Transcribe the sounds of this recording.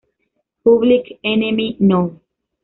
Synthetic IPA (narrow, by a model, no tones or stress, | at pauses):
puβlikenemino